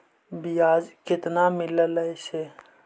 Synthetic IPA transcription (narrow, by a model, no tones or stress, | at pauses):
biaːd͡ʒkɪt̪namɪlələjse